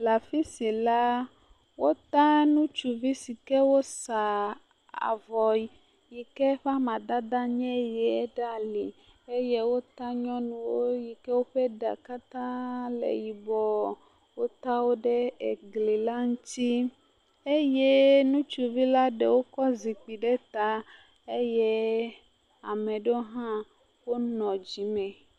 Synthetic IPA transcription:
la˨fi˦si˨la˦ | wo˦t̪a˦nũ˦t͡ʃu˨vi˦si˨kɛ˦wo˦sa˨ | a̰˨vɔ˨ji˨ | ji˨kɛ˦ɸa˦mã˨d̪a˦d̪a˦ɲɛ̃˦jɛ˨ɛ˦ɖa˦li˨ | e˦je˦wo˦t̪a˦ɲɔ̃˦nũ˨wo˦ji˨kɛ˦wo˦ɸe˦ɖa̰˨ka˦t̪ã˦lḛ˨ji˨bɔ˦ | wo˦t̪a˦wo˦ɖe˦e˨ɡle˨la˦ŋũ˦t̪i˦ | e˦je˦nũ˦t͡ʃu˦vi˦la˦ɖe˨wo˦kɔ˦zi˨k͡pi˨ɖe˦t̪a˦ | e˦je˦ | a̰˨me˨ɖo˦ɦã˦ | wo˦nɔ̃˨d͡ʑi˨mɛ̃˨

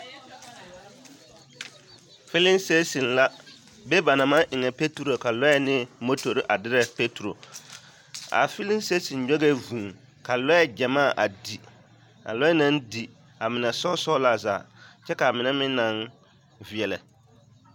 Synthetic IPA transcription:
fɪ˦lɪ˦nse˦si˨nla˦ | bɛ˦ba˨na˨ma˦ʔɪ˨ŋɛ˨pe˦tu˨ɾo˨ka˨lɔ˦jɛ˦nɪ˦mo˦to˨ɾɪ˦ʔa˨dɪ˦ɾɛ˦pe˦tu˨ɾo̰˨ | a̰˨fɪ˦lɪ˦se˦sɪ˨n˨ɲɔ˦ɡe˦vũː˨ | ka˨lɔ˦jɛ˦d͡ʒɛ˨maː˦˨ʔa˨di˨ | a̰˨lɔ˦jɛ˦na˦ndi˨ | a˨mɪ˨nɛ˨sɔ˦sɔ˦la˦za̰ː˨t͡ʃɛ˦ka˨mɪ˨nɛ˦mɪ˦nːa˦n | vi˨ɛ˨lɛ̰˨

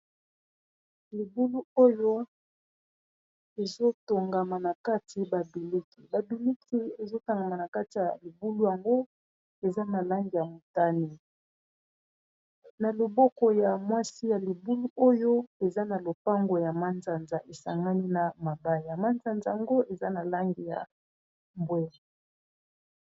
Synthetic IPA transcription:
li˨bu˦lu˦o˦jo˦ | e˨zo˦to˨ŋɡa˨ma˨na˨ka˦tʰi˨ba˨be˨le˦ki˨ba˨du˨li˦kʰi˦e˨zo˦ta˨ŋɡa˨ma˨na˨ka˦ti˨ja˨li˨bu˦lu˦ja˨ŋɡo˦ | e˨za˦na˨la˦ŋɡi˨ja˨mo˨ta˦ni˦ | na˨lo˨bɔ˦kɔ˨ja˨mwa˦si˦ja˨li˨bu˦lu˦ʔo˦jo˦e˨za˦na˨lo˨pa˦ŋɡo˨ja˨ma˦nza˨nza˨ʔe˨sa̰˨ŋɡa˦ni˦na˨ma˨ba˦ja˨ma˦nza˨nza˨a˨ŋɡo˦ʔe˨za˦na˨la˦ŋɡi˨ja̰˨ | mbwɛ˦a˨

